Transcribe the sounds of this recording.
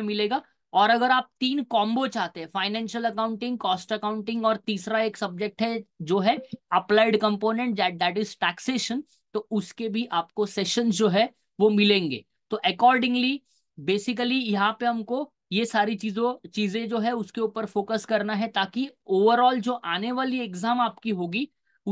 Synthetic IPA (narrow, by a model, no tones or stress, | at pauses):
mɪleːɡaː | ɔːɾɐɡəɾaːp̚t̪iːnkɔ̃ːmbot͡ʃaːɦt̪ẽɦɛ̃faːɪnɛ̃ːnʃəlɐkãːʊ̃ɳʈɪ̃ŋɡ̚kɔːsʈɐkãːʊ̃ɳʈɪ̃ŋɡɔːɾt̪iːsɾaeːksɐb̚d͡ʒek̚ʈɦɛd͡ʒoːɦɛɐplaːɪɖkɐ̃mpoːnɛ̃ɳʈ̚d̪ɛːʈ̚d̪ɛːʈɪzʈɛːkseːʃə̃n | t̪oʊskebʱiʔaːpkosɛʃə̃nzd͡ʒoːɦɛ | ʋomɪlẽːŋɡḛː | t̪oʔɐkɔːɾɖɪ̃ŋɡli | beːsɪk̬əlijɐɦãpeɦɐmko | jesaːɾit͡ʃiːzõt͡ʃiːzẽd͡ʒoːɦɛʊskeuːpəɾfoːkəskɐɾnaɦɛt̪aːkioːʋəɾɔːld͡ʒoːʔaːneʋaːlieɡzaːmaːpkiɦoːɡi | ʊ